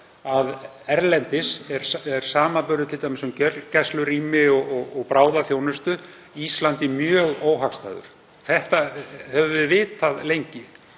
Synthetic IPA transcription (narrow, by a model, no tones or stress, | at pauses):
að | ɛɾlɛnt̪ɪsɛɾ̥ɛɾ̥saːmapʏɾðʏt̪ʰɪlt̪amɪsʏmcœcɛslʏɾiːmɪɔɔɣɔɣpɾaːwðaθjoːwnʏst̪ʏ | ist̪lant̪ɪmjœːɣoːwɦakst̪a̰ːðʏ̰ɾ̥ | θɛht̪ahɛvvɪðvɪːt̪θaðlejɲcɪ